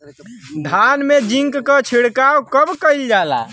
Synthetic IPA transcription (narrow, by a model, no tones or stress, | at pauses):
d̪ʱanmed͡ʒiŋkkət͡ʃʰiɽkawkəbkəjld͡ʒala̰